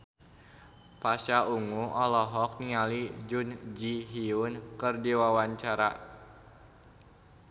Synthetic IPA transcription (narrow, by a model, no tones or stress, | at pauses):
pasauŋuɔlɔɦɔk̚nialid͡ʒund͡ʒiɦiunkɨrdiwawaɲt͡ʃaɾa